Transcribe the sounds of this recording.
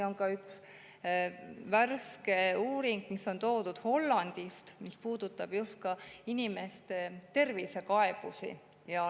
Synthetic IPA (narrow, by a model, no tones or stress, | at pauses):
o̞ŋkɑyks | værske̞uːɾiŋɡ̥misːo̞nt̪o̞ːd̪̥ud̪̥ho̞lːɑnd̪̥ist̪mispuːd̪ut̪ːˑɑb̥just̪̚kɑinime̞st̪e̞t̪e̞rvise̞kɑe̞b̥usḭ | jɑ